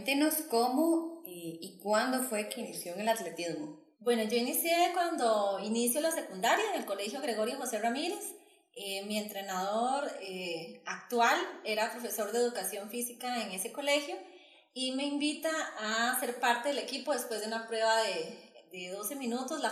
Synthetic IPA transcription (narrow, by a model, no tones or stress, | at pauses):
t̪enoskomoeikwand̪ofwekeinisjoeŋelat̪let̪izmo | bwe̞nod͡ʒo̞inisjekwand̪oinisjolase̞kund̪aɾjaeŋe̞lko̞le̞xjo̞ɣɾe̞ɣo̞ɾjoxo̞se̞ramiɾe̞s | emient̪ɾe̞naðoɾeakt̪wale̞ɾapɾo̞fe̞so̞ɾd̪eðukasjo̞ɱfisikaeŋe̞se̞ko̞le̞xjo | ime̞imbit̪aːse̞ɾpaɾt̪eðele̞kipo̞ðe̞spwe̞zðd̪eunapɾwe̞βaðed̪eðo̞se̞minut̪ozla